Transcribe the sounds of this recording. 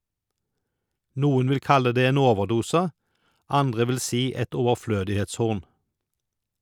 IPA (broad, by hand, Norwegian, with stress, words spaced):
ˈnuːən ˈʋɪl ˈkɑlə ˈdeː ˈeːn ˈoːʋəʁˌduːsə ˈɑndʁə ˈʋɪl ˈsiː ˈɛt ˌɔʋəʁˈfløːdɪheːtsˌhʊʁn